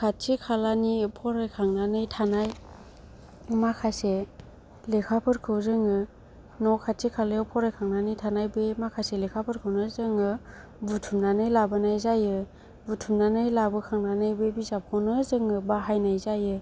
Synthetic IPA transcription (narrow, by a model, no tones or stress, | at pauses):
kʰatʰikʰalanipʰɔɾekʰaŋnanɯjtʰanaj | makʰase | lekʰapʰɯɾkʰɯwzɯŋɯ | nɔkʰattʰikʰaleɔpʰɔɾekʰaŋnanɯjtʰanajbemakʰaselekʰapʰɯɾkʰɯwnɯzɯŋɯ | butʰumnanɯjlabɯnajzajɯ | butʰumnanɯjlabɯkʰaŋnanɯjbebizap̚kʰɯwnɯzɯŋɯbaɦajnajzajɯ